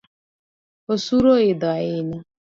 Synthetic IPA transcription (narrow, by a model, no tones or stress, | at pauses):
osuɾoɪdɔaɪɲa